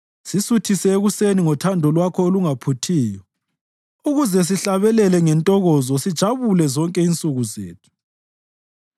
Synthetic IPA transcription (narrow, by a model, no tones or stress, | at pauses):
sisutʰisɛeɣuseniŋɔtʰandʱɔlwakʰɔoluŋapʰutʰiːjɔ | uɣuzɛs̬iɬaβɛlɛlɛŋɛntʼɔɣɔzɔsid̥ʒ̥ʱaβulɛzɔŋkʼɛint͡sʼuɣuzḛːtʰu̥